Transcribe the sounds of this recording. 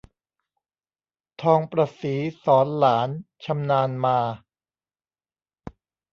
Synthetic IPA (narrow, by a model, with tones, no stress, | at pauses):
t̪ʰɔː˧ŋpɾaː˧siː˩˦sɔː˩˦nlaː˩˦nt͡ɕʰa˧mnaː˧nmaː˧